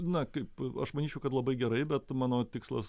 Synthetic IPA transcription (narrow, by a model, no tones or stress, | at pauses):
nɐkɐɪpɐ̰ʃmɐnʲiːt͡ʃʲɛʊkɐt̪lˠɐbɐɪɡʲɛɾɐɪbʲɛt̪mɑːnoːt̪ʲɪkslˠɐ̰s